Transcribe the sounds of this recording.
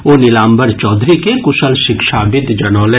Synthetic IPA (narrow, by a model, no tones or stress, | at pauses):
oːnɪlaːmbəɾt͡ʃɔːd̪ɾikekʊʃəlʃɪkʃaːbɪd̪d͡ʒɐnɔːlɛ